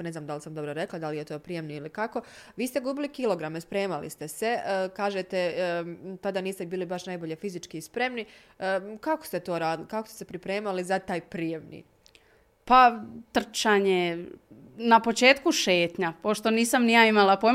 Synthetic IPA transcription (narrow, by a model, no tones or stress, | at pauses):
ne̞znaːmd̪alisamd̪o̞bɾoɾe̞klˠad̪alije̞t̪o̞ːpɾije̞mniilikako̞ | ʋiːst̪e̞ɡuːbilikilo̞ɡɾame̞spɾe̞ːmalḭst̪ese̞kaːʒet̪e̞ | t̪ad̪aniːst̪ebiːlibaʃnajboʎe̞fizit͡ʃkiːspɾe̞mni | kakost̪e̞t̪oːɾaːd̪ilikako̥st̪ese̞pɾipɾe̞ːmalizat̪aːjpɾijemnḭː | pat̪r̩t͡ʃaːɲe | napo̞t͡ʃe̞ːt̪kuʃe̞ːt̪ɲapo̞ʃt̪o̞niːsamnijaimalˠapo